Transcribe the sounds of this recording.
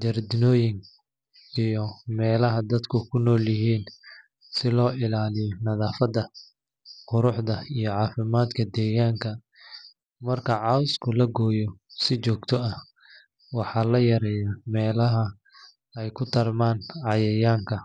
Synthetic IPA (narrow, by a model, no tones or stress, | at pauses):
d̪ɐrd̪ɪnɔːjɪŋ | ijɔmɛːlɐɦɐd̪ɐd̪kʰʊkʰʊnɔːljɐɦiːn | sɪlɔːɪlaːlɪjɔnɐðaːfɐd̪ɐ | qʊɾʊħd̪ɐijɔʕɑːfɪmaːd̪kʰɐd̪ɛːɣaːŋkʰɐ | mɐrkʰɐʕɑwskʰʊlɐɡɔːjɔsɪt͡ʃɔːɡt̪ʰɔɐ | wɑħɑːlɐjɐɾɛːjɐmɛːlɐɦɐ | ɛjkʰʊt̪ʰɐrmaːnʕɑjɐjaːŋkʰɐ